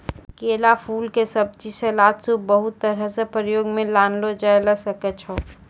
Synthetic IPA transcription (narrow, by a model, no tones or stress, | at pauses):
keːlapʰuːlkesɐb̚t͡ʃiselaːt̪subəɦʊt̪ːəɾasepɾəjoːɡmẽlaːnlod͡ʒajləsəkət͡ʃʰo